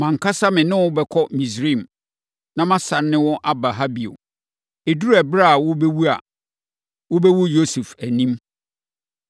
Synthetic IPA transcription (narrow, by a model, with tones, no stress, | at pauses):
mã˨ŋ̩˨kʰa˦sa˦mɪ̃˨nɪ̃˦wʊ˦bɛ˨kʰɔ˦mĩ˨s̬ɾi˦˨m | nã˦mã˦sã˨nːɪ̃˦wɔ̃˦ʔa˦ba˨ɦa˦bi˨o̰˨ | e˨du˦æ˨bɾa˦˨wʊ˦bɛ˦wu˦a̰˨ | wʊ˦bɛ˦wʊ˦jo˦su˨fæ˨nĩ˦m